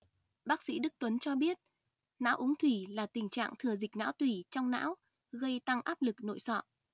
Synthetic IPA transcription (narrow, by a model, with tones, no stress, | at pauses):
ɓaː˦˥k̚sḭ˧˥ɗɨ˦˥k̚t̪wə˨˦nt͡ɕɔ˧ɓi˦˥ət̚ | na̰ː˧˥wʔʊ˨˦ŋt̪ʰwi˧˩laː˨˩t̪ï˨˩ŋ̟t͡ɕa̰ː˧˨ŋt̪ʰɨ˨˩əzï˨˩k̟̚na̰ː˧˥wt̪wi˧˩t͡ɕɔ˧wŋ͡mna̰ː˧˥w | ɣə˧jt̪a˧ŋʔaː˦˥p̚lɨ˨˩k̚no̰˧˨jsɔ̰˧˨ʔ